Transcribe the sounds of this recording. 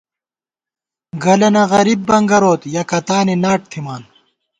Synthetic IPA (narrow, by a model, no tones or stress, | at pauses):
ɡɐlɐnɐɣɐɾibːɐŋɡɐɾoːt̪jɐkɐt̪aːninaːʈ̚t̪ʰimaːn